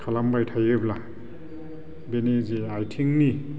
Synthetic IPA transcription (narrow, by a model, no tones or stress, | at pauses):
kʰalambajtʰajebla | beniziajtʰiŋni